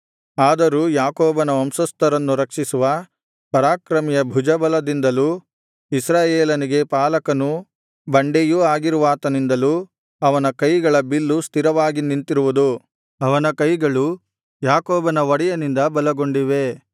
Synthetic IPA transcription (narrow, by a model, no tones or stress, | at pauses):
aːd̪ɐɾuːjaːkoːbɐnɐɐmsɐst̪ɐɾɐnːuɾɐkʂisuʋɐ | pɐɾaːkɾɐmijɐbʱud͡ʒɐbɐlɐd̪ind̪ɐluː | isɾaːjeːlɐniɡe̞paːlɐkɐnu | bɐɳɖejuaːɡiɾuʋaːt̪ɐnind̪ɐluː | ɐʋɐnɐkɐjɡɐɭɐbilːust̪ʰiɾɐʋaːɡinint̪iɾuʋud̪u | ɐʋɐnɐkɐjɡɐɭu | jaːkɔːbɐnɐʋɐɽijɐnind̪ɐbɐlɐɡoɳɖiʋe̞